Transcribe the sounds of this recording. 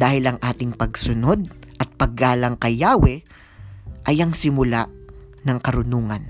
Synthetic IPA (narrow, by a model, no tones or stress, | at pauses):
d̪aːhɪlɐŋʔaːt̪ɪŋpɐɡsʊno̞d̪̚ʔɐt̪̚pɐɡːaːlɐŋkɐjaːwɛ | ʔɐjɐŋsɪmʊlaʔ | nɐŋkɐɾʊnuːŋɐn